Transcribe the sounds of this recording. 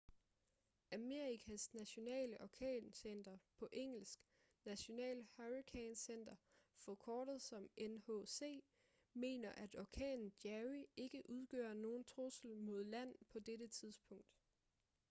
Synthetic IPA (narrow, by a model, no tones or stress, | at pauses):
æme̝ɐʁikʰæsnæɕo̝nɛ̰ːləʔɒkʰɛ̰ːnsen̰d̥ɐpʰɒ̽ʔeŋ̰l̩sɡ̥ | næɕo̝nɛ̰ːlhɑʁikʰeːnsen̰d̥ɐfɒkʰɒːd̥ð̞̩ˠsɒ̽menhose̝̰ː | me̝̰ːnɐʔæd̥ɒkʰɛ̰ːnn̩d̥jæʁie̝ɡ̥əʔuð̞ˠɡ̥ø̰ːɐno̝ːn̩t͡sʰʁosl̩mo̝ð̞̰ˠlæn̰pʰɒ̽d̥eɾət͡sʰiðˠsb̥ʰɔ̽ŋ̰d̥